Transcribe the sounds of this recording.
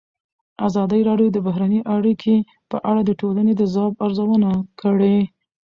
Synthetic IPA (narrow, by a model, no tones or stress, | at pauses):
azɑd̪əiɾɑɖjod̪əbaɦɾaniʔaɽikʰe | pəʔaɽad̪əʈolaned̪əzɑbaɾzawənakəɽe